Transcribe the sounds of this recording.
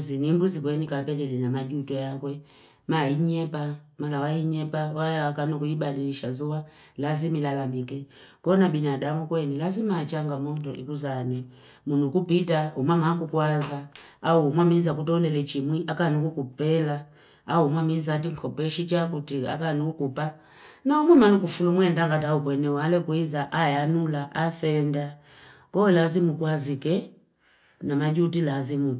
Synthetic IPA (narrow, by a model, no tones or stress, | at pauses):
zinimbuzikwɛnikapɛlɛlɛnamaʄutɔjakwɛ | maiɲɛpa | malawaiɲɛpawajawakanukuiɓaniliʃazuwa | lazimilalamikɛ | kɔnaɓinaɗamukwɛnilazimat͡ʃaŋɡamɔndɔʔḭkuzanɛ | munukupitaumwamakukwazaːumwamizakutɔlɛlɛt͡ʃimwiʔakanukukupɛla | aumwamizat̬iŋkʰɔpɛʃit͡ʃakutia̰kanukukupa | naumwamanuk̬ufulumwɛndaŋɡat̬aupwɛnɛwalɛkwizaʔajanulaʔasɛnda | kɔlazimukwazikɛ | namaʄutilazimu